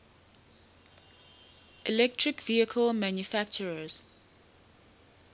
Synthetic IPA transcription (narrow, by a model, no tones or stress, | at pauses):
ɪlɛk̚tʰɹɪkviəkʰəlmãnjufækt͡ʃəɹəz̥